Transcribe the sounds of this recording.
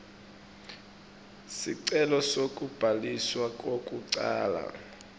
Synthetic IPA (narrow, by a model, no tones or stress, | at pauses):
siǀɛlɔsokʼub̥ʱaliswakʼokʼuǀa̰ːla̰